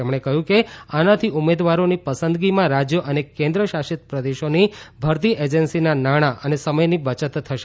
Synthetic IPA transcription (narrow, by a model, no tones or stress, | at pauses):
emɽ̃ekəɦjũkeanat̪ʰiʔumed̪ʋaɾonipəsənd̪ɡimãɾad͡ʒjəʔənekẽnd̪ɾəʃaʃit̪pɾəd̪eʃonibʱəɾt̪̬iʔed͡ʒənsinanaɽ̃aʔənesəməjnibət͡ʃət̪ʰːəʃ